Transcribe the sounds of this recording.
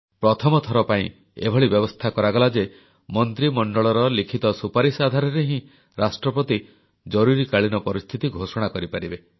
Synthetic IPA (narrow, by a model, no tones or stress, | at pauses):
pɾɔt̪ʰɔmɔt̪ʰɔɾɔpaĩ | ḛbʱɔɭibjɔbɔst̪ʰakɔɾaɡɔlad͡ʒe | mɔnt̪ɾimɔɳɖɔɭɔɾɔlikʰit̪ɔsupaɾisad̪ʱaɾɔɾeɦĩ | ɾasʈɾɔpɔt̪i | d͡ʒɔɾuɾikaɭinɔpɔɾist̪ʰit̪iɡʱosɔɽ̃akɔɾipaɾibe